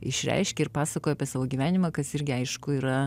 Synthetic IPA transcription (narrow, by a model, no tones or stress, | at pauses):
ɪ̰ʃʲɾʲɛ̰ɪʃʲkʲeɪɾpɑːsɐkoːjoɐpʲiɛsɑːʋoːɡʲiːʋʲæːnʲɪmɑːkɐsɪɾʲɡʲɪɐɪʃkʊiːɾɐ